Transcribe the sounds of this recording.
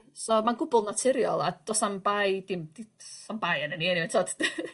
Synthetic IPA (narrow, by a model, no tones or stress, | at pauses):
sɔmanɡʊbʊlˠnatʰɪɾjɔ̰lˠad̥ɔsambajd̥ɪmd̥isambajanəninientʰoːd̥